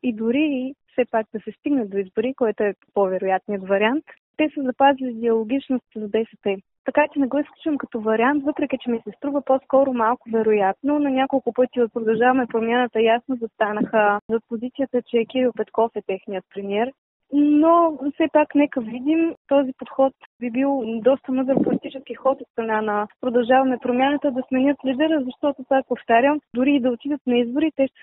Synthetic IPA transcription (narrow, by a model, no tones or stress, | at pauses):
id̪ʊɾiːfsɛpak̚d̪ɐsɛst̪iɡnɐd̪oizbʊɾikoɛt̪oɛpovɛɾʊjat̪nijət̪vɐɾʲiant̪ | t̪ːɛsəzɐpazilʲid̪ɛɐlˠoɡʲit͡ʃnost̪zɐb̪ɛsɛp̪ɛ | t̪ɐkat͡ʃɛnɛɡɔisklʲut͡ʃuvəmkɐt̪ɔvɐɾiant̪vɤpɾɛk̟ʲit͡ʃɛmisɛst̪ɾuvəposkɔɾʊmalˠkʊvɛɾʊjat̪nonɐnʲakolˠkʊpɤt̪iopɾod̪ɐlˠʒavɐmɛpɾomʲjanət̪əjasnozɐst̪anəxəzɐpozit̪sijət̪ət͡ʃɛkiɾiopɛt̪kɔfɛt̪ɛxnijət̪̚pɾɛmiɛɾ | nofsɛpaknɛkəvid̪imt̪ɔzipot̪xɔt̪bibilˠd̪ɔst̪əmɤd̪ɾəpolit̪it͡ʃɛsk̟ixɔt̪ot̪st̪ɾɐnanɐpɾod̪ɐlˠʒavɐmɛpɾomʲanət̪əd̪ɐsmɛnʲɤt̪lʲid̪ɛɾəzɐʃt̪ɔt̪ʊsak̚poft̪aɾʲjəmd̪ʊɾiːd̪ɐot̪id̪ət̪nɐizbʊɾit̪ɛ